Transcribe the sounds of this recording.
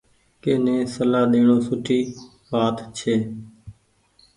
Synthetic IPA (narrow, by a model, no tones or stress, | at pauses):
keːnẽːsəlaːɗ̪eːɳoːsʊʈʰiː | ʋaːt̪t͡ʃʰeː